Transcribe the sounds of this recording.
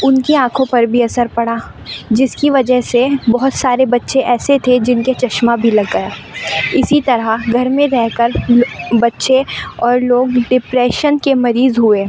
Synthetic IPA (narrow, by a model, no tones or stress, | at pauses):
ʊnkeãːkʰõpɐɾbʱiɐsəɾpɐɽaː | d͡ʒɪskiʋɐd͡ʒəɦsebɔɦʊt̪saːɾebɐtːʃeʔɛːset̪ʰed͡ʒɪnket͡ʃɐʃmabʱilɐɡːɐjaːɪsit̪ɐɾəɡʱɐɾmẽɾɛɦkəɾbɐtːʃeɔːɾloːɡɖɪpɾɛːʃənkemɐɾiːzɦʊeː